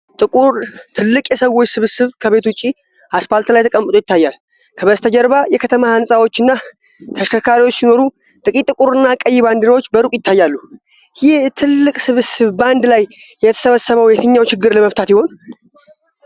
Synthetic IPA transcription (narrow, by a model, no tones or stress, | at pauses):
t̪ʼɨkʼuɾt̪ʰɨlːɨkʼjɛsəwːot͡ʃːsɨβsɨβkʰəβe̞t̪uwʊt͡ʃʼi | asfalt̪lajt̪ʰəkʼəmːət̪ʼojɪt̪ʰːajːal | kʰəβəst̪ʰəd͡ʒɛɾβajɛkʰət̪ʰəmahansʼawo̞t͡ʃːɨnːa | t̪ʰəʃkʰəkʰaɾiwo̞t͡ʃːsino̞ɾu | t̪ʼɨkʼit̪ʼːɨkʼuɾɨnːakʼəjːɪβand̪ɨɾawo̞t͡ʃːbəɾukʼjɪt̪ʰːajːalːu | jɪht̪ʰɨlːɨkʼsɨβɨsɨβband̪lajː | ɛt̪ʰə̥səβəsːəβəwjɛt̪ʰəɲːawt͡ʃɪɡːɨɾləməft̪ʰat̪jɪho̞n